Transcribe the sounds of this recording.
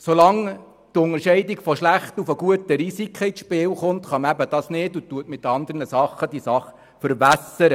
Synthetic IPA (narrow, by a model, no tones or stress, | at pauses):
solɑŋ | t̪ʊŋəɾʃɛɪdikfɔʃlæχt̪ufəɡ̥uətəɾisikχəɪʃpɪːlχʊnt̪χɑmæbəd̥ɑsnɪːdut̪ːuətmɪt̪ːɑnd̪əɾnəsɑχːəd̥̪isɑχ | fəɾbæsəɾə